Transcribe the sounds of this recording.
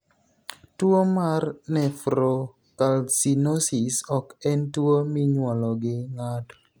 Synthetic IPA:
twomarnɛfɾo | kalsinosisɔkɛntwomiɲwɔlɔɡɪŋad

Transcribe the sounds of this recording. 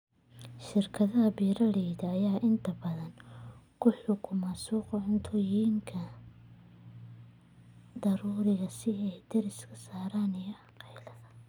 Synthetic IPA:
ʃɪrkʰɐðɐɦɐbiːɾɐɽɛːðɐɐjaːʔɪnt̪ʰɐbɐðɐnkʰʊħʊkʰʊmasuːqɔʕʊnt̪ʰɔjiːŋkʰɐ | d̪ɐɾuːɾɪɣɐsɪɛjd̪ɛɾɪskʰɐ̥saːɾaːnɪjɔɑqɛjlɐðɐ

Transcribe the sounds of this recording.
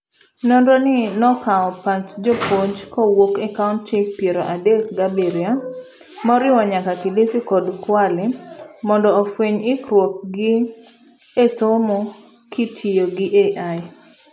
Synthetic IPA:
nonɾonɪnɔkaɔpat͡ʃd͡ʒopoɲd͡ʒkɔwokɛkaʊntipjeɾoʔadek̚ɡabeɾja | mɔɾɪwɔɲakakɪdɪfikɔdkwalɪmɔndɔːfweɲɪkɾwok̚ɡɪ | esomo | kʰitʰijoɡɪʔeʔa

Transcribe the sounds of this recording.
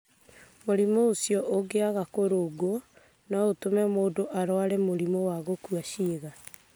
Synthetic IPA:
moɾimoosjɔʔoɡeaɣakoɾoɡo | naotomɛmoːdoʔaɾwaɾɛmoɾimowaɣokwaʃiːɣa

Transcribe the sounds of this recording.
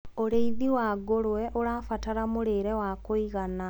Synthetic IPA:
oɾeiðiwaɡoɾwɛʔoɾaːfataɾamoɾeɾɛwakoiɣana

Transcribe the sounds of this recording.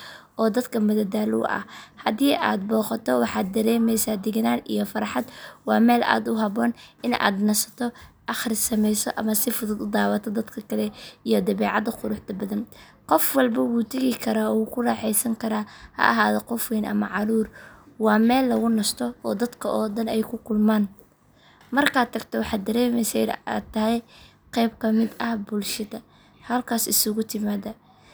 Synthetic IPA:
ʔɔːd̪ɐd̪kʰɐmɐðɐd̪aːlʊ̰ʔɐ̰hɐðiːʔa̰ːd̪̚bɔːqɑt̪ʰɔwɑħɑːd̪̚ːɐɾɛːmɛjsaːd̪ɪɣɐnaːnḭjɔfɐɾħɑd̪wɑːmɛːla̰ːd̪ʊɦɐβɔːnʔɪna̰ːd̪nɐsɐ̥t̪ʰɔʔɑχrɪsɐmɛjsɔʔɐmɐsɪfʊðʊd̪ʊd̪aːwɐt̪ʰɔd̪ɐd̪kʰɐkʰɐlɛijɔd̪ɐβɛːʕɑd̪ɐqʊɾʊħt̪ʰɐbɐðɐn | qɔfwɑlbɐwuːt̪ʰɐɣɪkʰɐɾaːɔwuːkʰʊrɑːħɛjsɐŋkʰɐɾaːhɐ̰ʔɐ̰ɦaːðɔqɔfwɛːnʔɐ̰mɐʕɑɾuːrwɑːmɛːlːɐɣʊnɐst̪ʰɔɔːd̪ɐd̪kʰɐʔɔːd̪ɐnɛjkʰʊkʰʊlmaːn | mɐrkʰaːd̪t̪ʰːɐɡt̪ʰɔwɑħɑːd̪ɐɾɛːmɛjsɛja̰t̪ʰːɐɦɛj | qɛjbkʰɐmɪd̪ɐhbʊlʃɐd̪ɐ | hɐlkʰaːsɪsʊɣʊt̪ʰɪmaːðɐ

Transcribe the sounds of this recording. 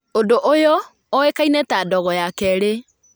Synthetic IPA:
odoʔojɔ | ɔekainɛtaːdɔɣɔjakɛɾe

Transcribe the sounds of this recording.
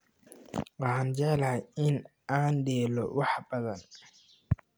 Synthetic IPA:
wɑħɑnd͡ʒɛʕlajɪn | aːnɖɛːlɔ̰wɑħbɐðɐn

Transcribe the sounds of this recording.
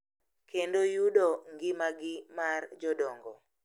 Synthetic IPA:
kʰendojudoŋɡɪmaɡɪmard͡ʒɔdɔŋɡɔ

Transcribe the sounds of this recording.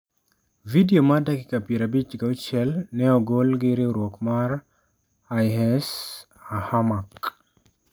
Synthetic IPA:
vidiomadakɪkapiɾabit͡ʃɡaut͡ʃɛlnɛɔɡolɡɪɾɪɾwɔkmaɾ | ajɦɛs | ahamak

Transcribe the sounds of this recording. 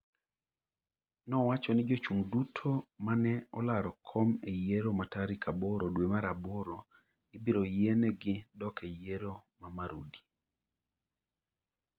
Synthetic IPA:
nɔwat͡ʃɔnɪd͡ʒot͡ʃuŋdutʰomanɛɔlaɾɔkʰɔmejeɾomataɾikʰabɔɾodwemaɾaboɾo | ɪbiɾojenɛɡɪdɔkejeɾomamaɾudi̥

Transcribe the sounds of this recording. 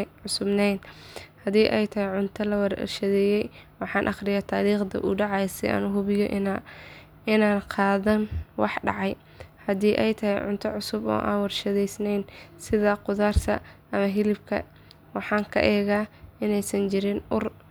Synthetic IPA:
ʕʊsʊbnɛjnhɐðiːʔɛjt̪ʰɐɦɛjʕʊnt̪ʰɐlɐwɐr̰rʃɐðɛːjɛjwɑħɑːnʔɑχrɪjaːt̪ʰaːliːχd̪ɐ̰ʔṵːɖɑʕɑjsɛ̰ʔa̰ːnʊɦʊβɪjɔʔ | ɪnaːnqʰɑːðɐnwɑħɖɑ̰ʕɑj | hɐðiːʔɛ̰jt̪ʰɐhɛjʕʊ̰nt̪ʰɐʕʊsʊbɔ̰ːʔa̰ːnwɐrʃɐðɛjsnɛjnsɪðɐqʊðaːrt̪ʰɐ̰ʔɐmɐɦɪlɪbkʰɐ̰ | wɑħɑːŋkʰɐ̰ʔɛːɣaːɪnɛjsɐnt͡ʃɪɾɪnʊr

